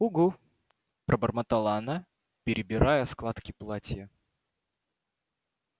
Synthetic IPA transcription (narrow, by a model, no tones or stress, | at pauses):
uɡu | pɾʔəbərmət̪ɐlˠanə | pʲɪɾʲɪbʲɪɾʔajəsklˠat̪kʲɪplˠatʲjə